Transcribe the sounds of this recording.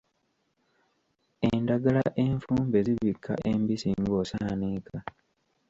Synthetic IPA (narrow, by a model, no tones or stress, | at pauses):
e̞ndaɡalaʔe̞ɱfuːmbe̞ziβikʰːa̰ʔembisiŋɡo̞ːsaːnika